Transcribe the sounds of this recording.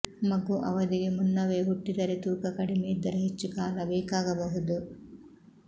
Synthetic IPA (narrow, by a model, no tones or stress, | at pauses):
mɐɡuʔɐʋɐd̪iɡe̞munːɐʋe̞ːɦuʈːid̪ɐɾet̪uːkɐkɐɽimeid̪ːɐɾeɦet͡ʃːikaːlɐbɛːkaːɡɐbɐɦud̪u